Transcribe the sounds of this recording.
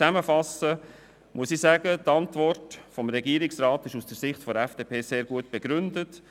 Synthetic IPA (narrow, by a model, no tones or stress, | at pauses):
æməfɑsə | mʔuəsisæɡ̥ətɑntvɔrtfɔmɾɛɡiəɾɪksɾaːt̪ɪʃusd̥əsɪχtfɔɾɛfd̥eːpʰeːseːɾɡuət̚b̥eɡ̥ɾʏndət